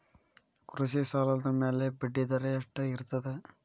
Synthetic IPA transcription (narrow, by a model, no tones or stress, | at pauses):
kɾuʃisaːlɐd̪ɐmeːlebiɖːid̪ɐɾejɐʂʈːɐɪɾɯt̪ːɐðe